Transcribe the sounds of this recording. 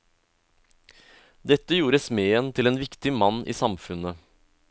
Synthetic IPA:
d̪ɛt̪ːəjuːɾəsmeːənt̪ʰɪleːnʋɪkt̪ɪmɑnʔḭːsɑmfʉnə

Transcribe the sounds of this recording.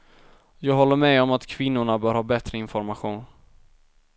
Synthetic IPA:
jɑːɡɦɔlːəɾmɛɔmat̪kʰvɪnːʊɳabœːɾhɑːbɛt̪ɾəɪnfɔɾmaɧuːn

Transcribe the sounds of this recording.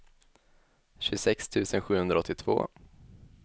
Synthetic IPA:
ɕɵsɛkst̪ʰʉ̟ːsənɧʉ̟ːhɵnd̪ɾaɔt̪ːɪt̪ʰvo̰ː

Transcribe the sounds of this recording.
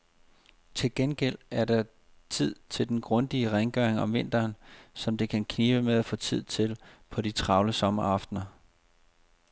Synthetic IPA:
t͡sʰe̝lɡ̥enɡ̥el̰æɐɾɑ̈ | t͡sʰið̞̰ˠt͡sʰe̝ld̥enɡ̥ʁɔ̽nd̥iəʁaŋɡ̥œɐeŋɒ̽mʋe̝n̰d̥ɐːnsɒ̽md̥e̝kʰænkʰniːb̥əmeðˠæfɔ̰̽ːt͡sʰið̰ˠt͡sʰe̝lpʰɒ̽dit͡sʰʁɑ̈ʊləsɒ̽mɐɑ̈fd̥nɐ

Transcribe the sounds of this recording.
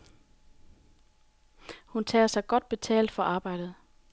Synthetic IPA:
hunt͡sʰɛ̰ːɐsɑ̈ɪɡ̥ɒ̽d̥̚b̥e̝t͡sʰɛ̰ːld̥fɒ̽ʔɑ̈ːb̥ɑ̈ɪ̰d̥ð̞̩ˠ

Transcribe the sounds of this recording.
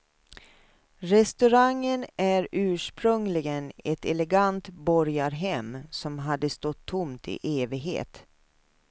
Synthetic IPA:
ɾɛst̪ɵɾaŋːənʔæɾʉ̟ːʂpɾɵŋlɪɡənɛt̪ɛlɛɡant̪bɔɾjaɾɦɛmsɔmɦad̪ːəst̪ɔt̪ʰːʊmt̪ʰɪ̰ʔeːvɪɡɦḛːt̪

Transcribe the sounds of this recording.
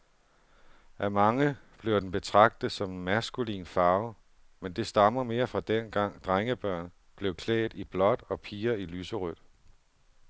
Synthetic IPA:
ʔæmɑ̈ŋəb̥le̝ʊd̥enb̥e̝t͡sʰʁɑ̈ɡ̥̚d̥ð̩ˠsɒ̽mmæsɡ̥ulḭːnfɑ̈ːʊ | mend̥e̝sd̥ɑ̈mɐme̝ːɐfʁɑ̈d̥enɡ̥ɑ̈ŋ̰d̥ʁaŋəb̥ɶɐ̰n | b̥le̝ʊkʰlɛ̰ːɪd̥ib̥lɒ̽d̥ɒ̽pʰiːɐilyːsəʁød̥

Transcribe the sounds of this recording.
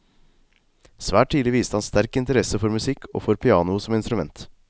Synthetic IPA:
sʋæːʈʰːiːlɪʋiːst̪əhɑnst̪æɾkɪnt̪əɾɛsəfɔɾmʉsɪkʰːo̰ːfɔɾpʰɪɑːnʊsɔmɪnst̪ɾʉmɛ̰nt̪

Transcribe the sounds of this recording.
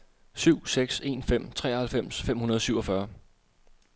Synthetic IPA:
syʊ̰seɡ̥se̝ːnfem̰t͡sʰʁɛ̰ːhælfem̰sfem̰hunɐðˠsyʊɒ̽fɶɐ

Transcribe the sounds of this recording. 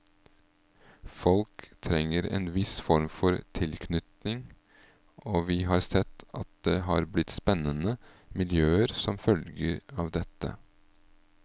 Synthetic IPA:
fɔlkt̪ʰɾɛŋːəɾḛːnʋɪsfɔɾmfɔɾt̪ʰɪlkʰnʏt̪nɪŋ | oːʋɪːɦɑːɾsɛt̪ːɑ̰t̪̚d̪eːɦɑːɾblɪt̪spɛnənə | mɪljøːəɾsɔmfœlɡəɾɑːʋd̪ɛt̪ːə̰

